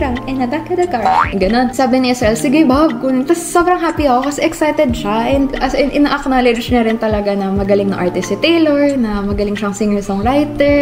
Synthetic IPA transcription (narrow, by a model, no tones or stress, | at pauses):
ɾɐŋɐnɐd̪akɐd̪ɐkaɹɛɡɐno̞nsaːbɪnɪʔɪsɐʔɛlsɪɡɪbab̚kʊnt̪ɐsːobɾɐŋɦaːpiɐko̞kɐsɛʔɛksajt̪ɛd̪̚ʃaʔɛnd̪ɐsʔɪnʔɪnaːʔɐknalɪd͡ʒd͡ʒnɐɾɪnt̪ɐlɐɡanɐmɐɡɐlɪŋnɐŋʔaɹt̪ɪsɪt̪ɛjloɹnɐmɐɡɐlɪŋʃaʔɐŋsiŋɛlsoŋɹajt̪ɛɹ